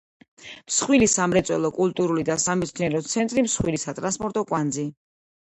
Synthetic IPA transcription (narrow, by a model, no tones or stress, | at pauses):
msχwilisamɾɛt̪sʼwɛlˠɔkʼulˠt̪ʼuɾulid̪asamɛt̪sʰniɛɾɔt̪sʰɛnt̪ʼɾimsχwilisat̪ʼɾanspʼɔɾt̪ʼɔkʼwand̪zi